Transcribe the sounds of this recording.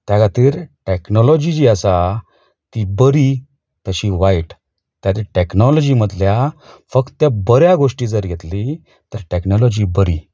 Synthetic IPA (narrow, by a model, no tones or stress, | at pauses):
t̪jaɡat̪iːɾʈeknɔlɔd͡ʑid͡ʑiːəsa | t̪ibəɾi | t̪əɕiʋajʈ | t̪jat̪iːʈeknɔlɔd͡ʑiməd̪lja | fəkt̪ːabəɾjaɡoʂʈiːd͡zəɾɡʱet̪li | t̪əɾʈeknɔlɔd͡ʑibəɾi